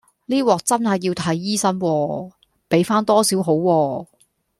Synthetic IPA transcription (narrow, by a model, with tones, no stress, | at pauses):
liː˥wɔː˨k̚t͡sɐ˥nhɐ˨jːi˧wt̪ʰɐ˨˥jːiː˥sɐ˥nwɔː˧ | pe˨˥jfaː˥nt̪ɔː˥siː˨˥wɦo˨˥wːɔː˧